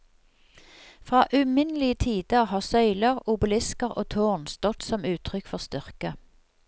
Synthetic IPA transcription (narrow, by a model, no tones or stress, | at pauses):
fʁɑːʔʉːmɪnəlɪət̪ʰiːd̪̥əʁhɑːʁsœʏləʁʊbəlɪskəʁo̰ːt̪ʰoːʁnst̪ɔt̪sɔmʉːt̪ʰʁʏkfɔʁst̪ʏʁkə